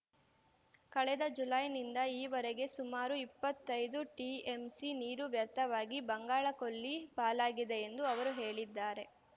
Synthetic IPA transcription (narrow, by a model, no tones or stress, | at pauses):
kɐɭɛd̪ɐd͡ʒulɐjnind̪ɐiːʋɐɾeɡe̞sumaːɾuipːɐt̪ːɐjd̪uʈie̞msiniːɾuʋjɐɾt̪ʰɐʋaːɡibɐŋɡaːɭɐko̞ɭːipaːlaːɡid̪e̞ːnd̪uɐʋɐɾuɦe̞ːɭid̪ːaːɾe̞